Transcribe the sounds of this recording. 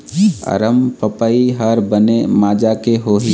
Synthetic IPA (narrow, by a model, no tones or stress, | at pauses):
ə̰ɾəmpəpaiɦaɾbənemaːd͡ʒakeɦoːɦi